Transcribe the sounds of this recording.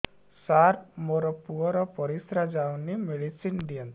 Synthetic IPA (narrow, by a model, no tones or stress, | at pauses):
saɾpmoɾɔpuɔɾɔpɔɾisɾad͡ʒawnimeɽisinɖiɔn